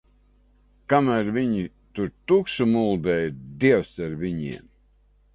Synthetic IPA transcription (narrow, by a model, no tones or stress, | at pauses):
kamæɾvʲiɲi | t̪uɾt̪uksumulˠd̪ɛjd̪iɛwsaɾvʲiɲḭɛm